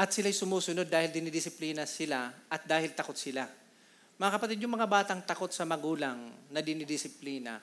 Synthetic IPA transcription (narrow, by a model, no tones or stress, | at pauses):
ʔɐt̪sɪlajsʊmuːsʊno̞d̪̚ːaːhɪld̪ɪnɪd̪ɪsɪpliːnɐsɪlaʔɐt̪̚d̪aːhɪlt̪ɐko̞t̪̚sɪla | mɐŋakɐpɐt̪id̪̚ɲʊŋmɐŋabaːt̪ɐŋt̪ɐko̞t̪sɐmɐɡuːlaŋnɐd̪ɪnɪd̪ɪsɪpliːnɐ̰